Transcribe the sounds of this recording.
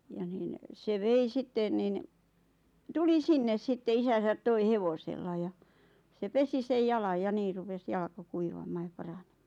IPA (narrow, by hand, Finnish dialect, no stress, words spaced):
jɑ niːn se ʋei sitːen nin tuli sinːes sitːe isæsæt toi heʋoselːɑ jɑ se pesi sej jɑlɑj jɑ niː rupes jɑlkɑ kuiʋɑmˑɑː jɑ pɑrɑne̥m̥ːɑ̥ː